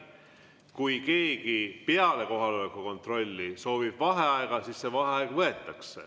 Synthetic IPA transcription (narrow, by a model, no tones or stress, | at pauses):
kujke̞ːɡ̥ipeɑle̞ko̞ɦɑlolekːuko̞nt̪ˑro̞lʲːiso̞ːvib̥vɑɦe̞ɑeɡ̥ɑsisːevɑɦeɑeɡ̥vɤe̞t̪ˑːɑksḛ